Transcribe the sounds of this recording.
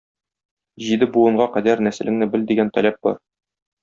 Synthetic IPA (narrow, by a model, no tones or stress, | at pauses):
ʑid̪ɘbuɤ̆ɴɢɑqæd̪æɾnæsɘ̆lʔɘ̆ŋnɘbɘld̪iɡænt̪ɒlæp̚bɒ̰ɾ